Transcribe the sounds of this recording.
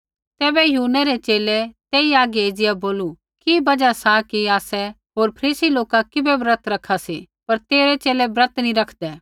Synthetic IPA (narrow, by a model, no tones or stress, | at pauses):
t̪ɛːbɛjuːnɛɾɛt͡ʃeːlɛt̪eːiaːɡɛeːd͡ʒɪjaboːlu | kibɐd͡ʒasakiaːsɛ | ɦoːɾpʰɐɾiːsiloːkakɪbɛbɾət̪ɾɐkʰːasi | pɐɾt̪eːɾɛt͡ʃeːlɛbɾɐt̪niɾɐkʰd̪ɛː